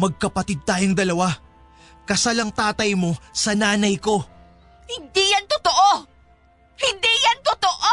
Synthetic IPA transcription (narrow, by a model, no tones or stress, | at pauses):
mɐɡ̚kɐpɐt̪ɪd̪̚t̪aːjoŋd̪ɐlɐwa | kɐsalɐŋt̪aːt̪ɐjmo̞sɐnaːnɐjko̞ | hɪnd̪ijant̪ʊt̪oʔo | hɪnd̪ijant̪ʊt̪oʔo